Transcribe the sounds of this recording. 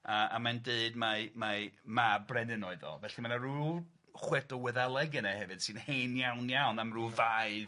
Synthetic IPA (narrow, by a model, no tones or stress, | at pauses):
aa̰mandeɨdmamamabrɛnɨnoɨðɔ̰lˠvɛɬimanaɾu | χwɛdɔwɛðalˠɛɡɨnahɛvɨd̥sɨnhenjawnjawnamruvaɨð